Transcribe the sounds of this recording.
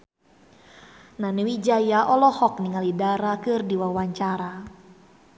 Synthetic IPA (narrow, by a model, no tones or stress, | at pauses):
nanɛwid͡ʒajaʔɔlɔhɔk̚niŋalidaɾakɨrdiwawaɲt͡ʃaɾa